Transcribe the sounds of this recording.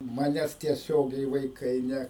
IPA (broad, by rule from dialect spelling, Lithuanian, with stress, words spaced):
ˈmɑːnʲɛs tʲiɛˈsʲoːɡʲɛɪ ʋɐɪˈkɐɪ ˈnʲɛ